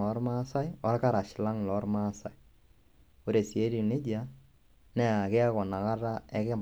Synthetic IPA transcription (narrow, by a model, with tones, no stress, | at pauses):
ɔ˨˦ɾma˦sa˦jɔ˦ɾka˦ɾa˨ʃɪ˨la˦ŋlɔ˨˦rma˦sa˨j | o˦ɾe˨si˨e˦ɾi˨ne˦d͡ʒa˦ | nɛ˦a˨kɛ˦a˦kɔ˨na˨ka˦ra˦ɛ˦kɪ˦